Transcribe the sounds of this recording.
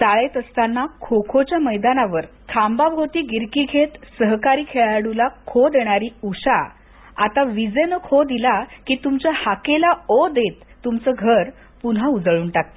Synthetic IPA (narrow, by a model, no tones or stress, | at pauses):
t̪aɭet̪əst̪anːakʰokʰot͡ɕjaməjd̪anaʋəɾ | kʰambabɦot̪iːɡiɾkiɡʱet̪səɦkaɾiːkʰeɭaɽulakʰod̪eɽ̃aɾiːuɕa | at̪aʋid͡zənəkʰod̪ilakiːt̪umt͡ɕahakelaod̪et̪ːumt͡səɡʱəɾ | punɦaud͡zɭuːnʈak̚t̪